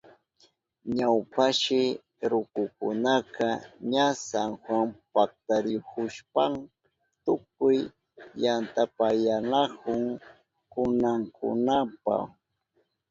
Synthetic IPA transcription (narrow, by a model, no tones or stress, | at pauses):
ɲawpaʃɪ | ɾʊkʊkʊnakɑɲasaŋxwampak̚t̪aɾokʊʃpam | t̪ʊk̚ʊj | jant̪apajanakʊŋ | kʊnaŋkʊ̰napa̰x